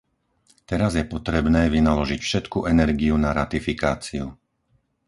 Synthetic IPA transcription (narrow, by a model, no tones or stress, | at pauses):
t̪ɛɾazjɛpɔt̪ɾɛbnɛːʋinalɔʒicfʃɛt̪kuʔɛnɛɾɡiunaɾat̪ifikaːt͡siu